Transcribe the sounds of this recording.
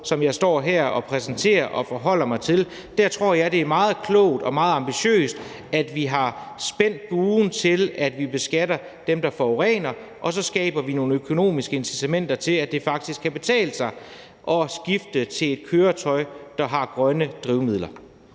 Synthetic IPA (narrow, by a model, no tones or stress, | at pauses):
sɒ̽mjɑ̈ɪsd̥ɒ̰ːɦæɐ̰ɒ̽pʰʁɛsn̩t͡sʰe̝̰ːɐʔɒ̽fɒɦɒ̽l̰ɐmɑ̈ɪt͡sʰe̝l | d̥æɐ̰t͡sʰʁo̝ɐ̰jɑ̈ɪd̥e̝æɐmɑ̈ːð̞̩ˠkʰlɔ̰ʊ̰d̥ɒ̽mɑ̈ːð̞̩ˠɑ̈mb̥iɕø̰ːsd̥ | æd̥ʋiɦɑ̈sb̥en̰d̥̚ɡ̥uːn̩t͡sʰe̝læd̥ʋib̥e̝sɡ̥ædɐ | d̥emd̥ɑ̈fɒʁɛ̰ːnɐ | ʔɒ̽sɒ̽sɡ̥ɛ̰ːb̥ɐʋino̝ːnəøkʰo̝no̝̰ːmisɡ̥əensit͡sʰæmen̰d̥ɐt͡sʰe̝læ̥d̥e̝fɑ̈ɡ̥̚d̥isɡ̥kʰːæb̥e̝t͡sʰɛ̰ːləsɑ̈ɪ | ʔɒ̽sɡ̥ifd̥ət͡sʰe̝le̝d̥̚kʰøːɐt͡sʰɒ̽ɪd̥ɑ̈ɦɑ̈ɡ̥ʁɶnəd̥ʁiʊmið̰ˠlɐ